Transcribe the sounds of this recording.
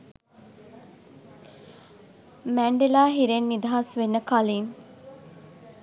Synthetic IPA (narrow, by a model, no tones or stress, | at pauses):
mæɳɖelaːɦiɾenːid̪aɦɐsʋenːəkaliːn